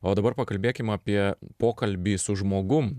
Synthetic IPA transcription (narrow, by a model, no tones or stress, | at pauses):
oːd̪ɐbɐrpɐkɐlʲbʲeːkʲɪmɐpʲiɛpoːkɐlʲbʲiːsʊʒmoːɡʊm